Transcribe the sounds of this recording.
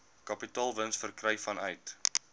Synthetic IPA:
kɐpitɑːlˠvənsfərkrɛjfɐnœɥt

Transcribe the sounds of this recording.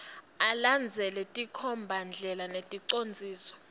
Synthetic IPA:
aland͡zʱɛlɛtʼikʰɔmbʱand͡ɮʱɛlanetʼiǀond͡zʱiːsɔ̥

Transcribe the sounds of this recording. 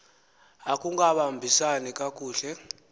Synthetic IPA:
akʼuŋɡaɓambʱisanikʼakʼuːɬɛ

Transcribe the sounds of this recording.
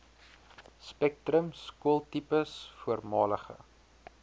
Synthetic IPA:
spɛk̚trəmskuəlˠtipəsfuərmɑːləχə̰

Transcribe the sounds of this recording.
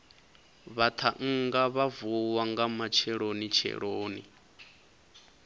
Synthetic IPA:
βat̪ʰaŋ̩ŋɡaβavuwaŋɡamat͡ʃʰɛɺonit͡ʃʰɛ̰ɺoːnḭ

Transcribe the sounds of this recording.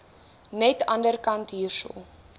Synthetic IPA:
nɛtɐndərkɐntɦiːrsə̰lˠ

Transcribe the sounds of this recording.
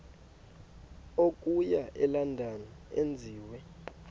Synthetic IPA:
ok̬ʼujaʔɛlandʱana | end͡zʱiːwɛ

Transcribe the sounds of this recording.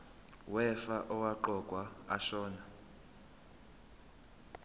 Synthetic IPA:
wɛfaʔɔwaǃɔkʼwaa̰ʃɔːna

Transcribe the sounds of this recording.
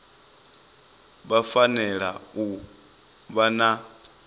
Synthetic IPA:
βafanɛɺa̰u | βana

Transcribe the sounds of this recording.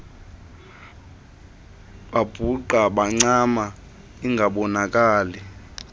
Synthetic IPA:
ɓab̥ʱuǃaɓaŋ͡ǀama | iŋɡʱaɓɔnak̬ʼaːlɛ

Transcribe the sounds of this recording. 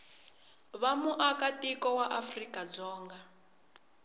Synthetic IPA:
βamuʔakatikɔwaʔafrikad͡zɔːŋɡa

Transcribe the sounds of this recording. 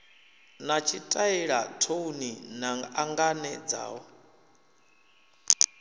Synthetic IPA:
nat͡ʃʰitʼaiɺa̰tʰouninaaŋɡanɛd͡za̰ːwɔ

